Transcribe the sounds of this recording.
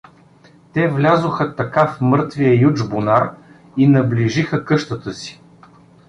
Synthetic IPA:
t̪ɛvlʲazoxət̪ɐkafmɤɾt̪vijəjud͡ʒbonaɾ | inɐbliʒixəkɤʃt̪ət̪əsi̥

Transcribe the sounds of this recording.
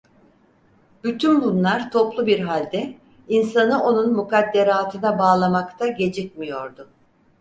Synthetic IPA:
b̥yt̪ʰynbunlˠaɾt̪ʰo̞plˠubiɾɦalʲd̪ɛ | insanɯo̞nunmukad̪ːe̞ɾaaːlˠt̪ʰɯnabaːlˠamakt̪ʰaɟe̞d͡ʒɛc̚mijo̞ɾd̪ʊ

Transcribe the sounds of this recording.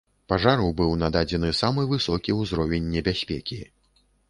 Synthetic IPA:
paʐaɾɐwbɨwnad̪ad͡zʲɛnɨsamɨvɨsɔkʲiwzɾɔvʲɛnʲːɛbʲasʲpʲɛkʲi

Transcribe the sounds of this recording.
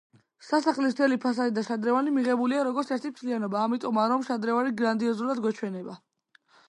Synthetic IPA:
sasaχlis̬t̪ʰɛlipʰas̬aɾid̪aʃad̪ɾɛvanimiʁɛbuliaɾɔɡɔɾt̪sʰɛɾt̪ʰit̪ʰlianɔbaːmit̪ʼɔmaɾɔmʃad̪ɾɛvaniɡɾand̪iɔzulad̪ɡwɛt͡ʃʰwɛnɛba

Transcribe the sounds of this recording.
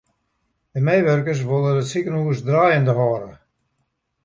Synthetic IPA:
dəmejʋørkəs̬ʋolˠədətsikənuəsdraːjəndəɦɔːɾə

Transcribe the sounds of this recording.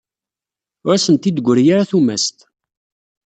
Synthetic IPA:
ʊɾæsənt̪id̪əɡʷːəɾjaɾaθumæ̰st̪

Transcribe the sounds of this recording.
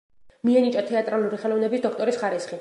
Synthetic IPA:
miɛnit͡ʃʼat̪ʰɛat̪ʼɾalˠuɾiχɛlˠɔvnɛbisd̪ɔkʰt̪ʼɔɾisχaɾisχi

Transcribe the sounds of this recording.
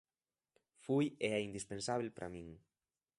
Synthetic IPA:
fujeɛind̪ispensaβlpɾʔa̰mĩŋ

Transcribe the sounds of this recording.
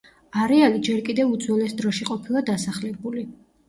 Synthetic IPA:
aɾɛalid͡ʒɛɾkʼid̪ɛvud̪zwɔnɛsd̪ɾɔʃiqʼɔpʰilˠad̪asaχlɛbuli

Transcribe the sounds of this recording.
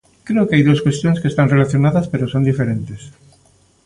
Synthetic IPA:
kɾeʊkeajðuskwest̪jõŋskest̪aŋrelaθjonaðɐspeɾosond̪ifeɾent̪es

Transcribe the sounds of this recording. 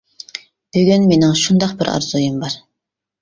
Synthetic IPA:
b̥øɡʲynmenɪŋʃund̪ɑqbɪɾʔɑ̰ɾz̥ujumbɑɾ

